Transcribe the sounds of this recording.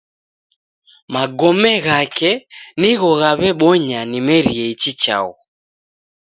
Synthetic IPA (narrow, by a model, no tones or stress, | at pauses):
maɡɔmɛɣakɛniɣɔɣaβɛɓɔɲanimɛɾiɛit͡ʃit͡ʃa̰ɣɔ